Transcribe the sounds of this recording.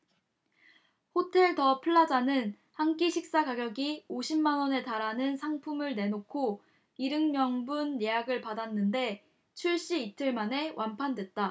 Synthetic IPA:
hotʰe̞ɭtʌpʰɯɭːad͡ʑanɯn | haŋk͈iɕʰik̚s͈aɡaɡjʌɡioɕʰimːanwʌne̞taɾanɯnsʰaŋpʰumɯɭne̞nokʰo | iɾɯŋmjʌŋbunjejaɡɯɭpadanːɯnde̞ | t͡ɕʰuɭɕ͈iːtʰɯɭmane̞wʔanpʰandwe̞t̚t͈a

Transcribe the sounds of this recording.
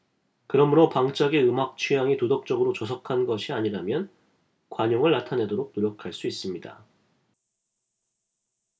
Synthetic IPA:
kɯɾʌmɯɾopaŋt͡ɕ͈aɡe̞ɯmak̚t͡ɕʰujaŋitodʌk̚t͡ɕ͈ʌɡɯɾot͡ɕʌs̬ʰʌkʰanɡʌɕʰiaɲiɾamjʌn | kwaɲʌŋɯɭːatʰane̞doɾok̚noɾjʌkʰaɭs͈uis͈ɯmɲida̰

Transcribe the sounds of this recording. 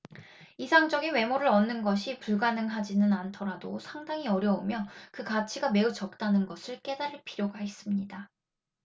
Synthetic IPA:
isʰaŋd͡ʑʌɡinwe̞moɾɯɾʌnːɯnɡʌɕʰipuɭɡanɯŋɦad͡ʑinɯnantʰʌɾadosʰaŋdaŋiʌɾjʌumjʌkɯkat͡ɕʰiɡame̞ut͡ɕʌk̚t͈anɯnɡʌsʰɯɭk͈e̞daɾiɭpʰiɾjoɡaɦes͈ɯmɲida

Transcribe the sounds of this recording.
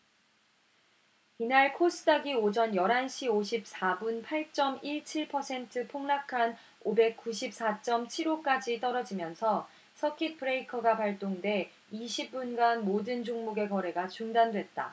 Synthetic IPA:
inaɭkʰos͈ɯdaɡiod͡ʑʌnjʌɾɦanɕʰioɕʰip̚s͈abunpʰaɭt͡ɕ͈ʌmiɭt͡ɕʰiɭpʰʌsʰe̞ntʰɯpʰoŋnakʰan | obe̞k̚k͈uɕʰip̚s͈at͡ɕ͈ʌmt͡ɕʰiɾok͈ad͡ʑit͈ʌɾʌd͡ʑimjʌnsʰʌ | sʰʌkʰit̚pʰɯɾeikʰʌɡapaɭt͈oŋdwe̞ | iɕʰip̚p͈unɡanmodɯnd͡ʑoŋmuɡe̞kʌɾe̞ɡat͡ɕuŋdandwe̞t̚t͈a̰

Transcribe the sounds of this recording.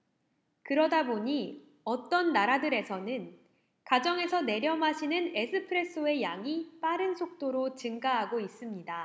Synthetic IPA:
kɯɾʌdaboɲi | ʌt͈ʌnːaɾadɯɾe̞sʰʌnɯn | kad͡ʑʌŋe̞sʰʌne̞ɾjʌmɦaɕʰinɯne̞sʰɯpʰɯɾe̞s͈ʰoe̞jaŋip͈aɾɯnsʰok̚t͈oɾot͡ɕɯŋɡaɦaɡois͈ɯmɲida

